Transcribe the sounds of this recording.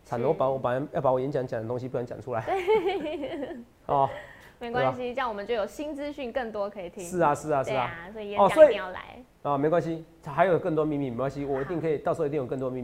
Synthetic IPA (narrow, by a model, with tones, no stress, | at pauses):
t͡sʰa˨˩nd̪ə˧˦wɔ˥˩pa˨˦wɔ˨˩pa˨˩n˦jɑ˥˩pa˧˥wɔ˨˩jɛ˧˦nt͡ɕja˧˦ŋt͡ɕja˨˩nd̪ə˦t̪o˥ŋɕ̬i˦pu˥˩ja˧˥nt͡ɕa̰˨˩nʈ͡ʂʰu˥la˨˦ɪe˥˨˩ | ɔ˥˩ | me˧˥ɪkwa˥˨˦ɕi˦ɕjɑ˥˩ŋwɔ˨˩mə˦nt͡ɕjʊjo˨˩ɕi˦˥nt͡sɹ̩˦ɕy˥˨˧nkə˥˩nt̪wɔ˦kʰɤ˧˥i˨˩t̪ʰi˦ʂɻ̩˥˩a˨ʂɻ̩˥˩a˨ʂɻ̩˥˩a˨˩swɔ˧˥i˨ɛ˦ɔ˥˨swɔ˧˥i˨jɑ˥˨˩la̰˧˦ɪ | ə˨me˧˥ɪkwa˦nɕi˦˨ | xa˧˥jo˨˩kə˥˩nt̪wɔ˥˦mi˥˧mi˧˨˩kwa˦nɕi˦wɔ˨˩i˧t̪i˥˩ŋkʰə˧˥i˨˩t̪ɑ˥˨ʂɤ˧˥˧t̪o˨˩knt̪ɔ˥˧mi˥˧˨